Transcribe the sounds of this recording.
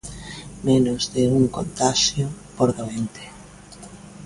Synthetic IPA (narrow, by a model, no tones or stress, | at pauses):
menozðeuŋko̰nt̪aʃjo | poɾðoent̪e̥